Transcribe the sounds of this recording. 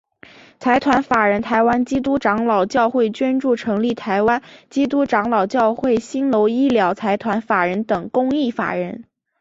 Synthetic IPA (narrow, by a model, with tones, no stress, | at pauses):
t͡sʰa˧˥ɪt̪ʰwa˧˥nfa˨˩ɻə˧˥nt̪ʰa˧˥ɪwa˥nt͡ɕi˥t̪̬u˥ʈ͡ʂɑ˧˥ŋlɑ˨˩ʊt͡ɕjɑ˥˧ʊxwe˥˩ɪt͡ɕɥɛ˥nʈ͡ʂu˥˩ʈ͡ʂʰɤ˧˥ŋli˥˩t̪ʰa˧˥ɪwa˥nt͡ɕi˥t̪̬u˥ʈ͡ʂɑ˧˥ŋlɑ˨˩ʊt͡ɕjɑ˥˧ʊxwe˥˩ɪɕi˥nlo˧˥ʊi˥ljɑ˧˥ʊt͡sʰa˧˥ɪt̪ʰwa˧˥nfa˨˩ɻə˧˥nt̪ɤ˨˩ŋkʊ˥ŋi˥˩fa̰˨˩ɻə˧˥n